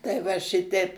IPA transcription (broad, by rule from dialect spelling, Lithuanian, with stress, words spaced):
tɐɪ ˈʋɐ ˈʃʲɪtʲɛɪp